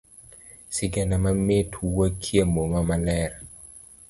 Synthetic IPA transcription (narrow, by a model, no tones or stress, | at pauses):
sɪɡɛnamametʰuwəkʰjemomamalɛɾa